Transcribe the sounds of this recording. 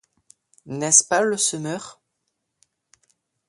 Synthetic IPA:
nɛspaləsəmœʁ

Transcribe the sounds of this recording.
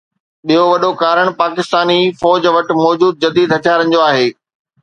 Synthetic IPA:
ɓijoʋɐɗokaːɾəɽ̃paːkɪst̪aːnifɔːd͡ʑʋɐʈ̆mɔːd͡ʑuːd̪̚d͡ʑɐd̪iːd̪ɦɐt͡ɕaːɾənd͡ʑoaːɦeː

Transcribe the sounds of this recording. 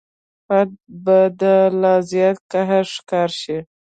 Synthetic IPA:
fad̪̚bad̪əlɑzjɑt̪̚kaɦaɾʂkɑɾʃi

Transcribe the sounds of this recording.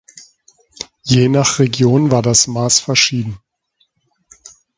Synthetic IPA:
jeːnaχʁ̥eɡjoːnvaːɐdasmaːsfɛɐʃiːdn̩

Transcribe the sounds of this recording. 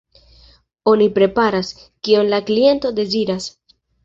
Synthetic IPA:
o̞nipɾe̞paɾas | kio̞nlaklie̞nto̞de̞ziɾas

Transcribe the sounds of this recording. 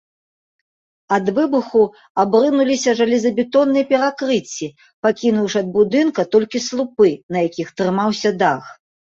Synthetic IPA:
ɐd̪vɨbɨxu | abɾɨnulʲisʲɐʐɐlʲizɐbʲit̪ɔnːɨjɛpʲɛɾakɾɨt͡sʲːi | pakʲinuwʂɨɐd̪̚bud̪ɨnkɐt̪ɔlʲkʲislˠupɨnɐjakʲixt̪ɾɨmawsʲɐd̪ax

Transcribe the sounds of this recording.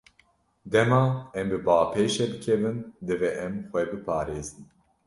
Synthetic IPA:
d̪ɛmɑːɛmbɨbɑːpʰeːʃɛd̪ɨkʰɛvɨnd̪ɨvɛʔɛmxʷɛbɨpʰɑːɾeːzɨn

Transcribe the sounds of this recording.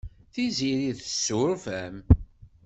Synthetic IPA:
θiziɾiðəsːʊɾfæm

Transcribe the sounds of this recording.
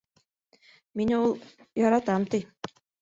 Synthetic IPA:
minulˠ | jɑɾɑt̪ɑmt̪ɤj

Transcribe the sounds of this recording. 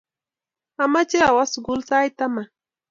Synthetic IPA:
amat͡ʃawasɢʊlsajt̪ama

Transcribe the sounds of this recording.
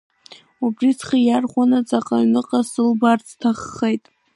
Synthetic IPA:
ubrit͡sʰχajarχʷanat͡sʼaqʼaɥnɨqʼasɨlbart͡sʰtʰaχːejtʼ

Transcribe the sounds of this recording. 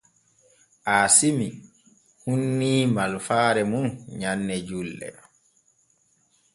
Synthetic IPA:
ʔaːsimi | hunːiːmalfaːɾɛmunɲanːɛd͡ʒulːɛ̰

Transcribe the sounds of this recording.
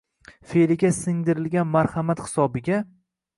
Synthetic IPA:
felɪɡʲasɪŋd̪ɪɾɪlɡʲanmaɾhamat̪hɪ̥sɒbɪɡʲa

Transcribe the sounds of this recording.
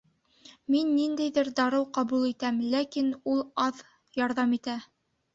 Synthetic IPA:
minːind̪æjðɘɾd̪ɑɾɤwqɑβulˠit̪æmlækinulˠɑð | jɑɾðɑmit̪æ

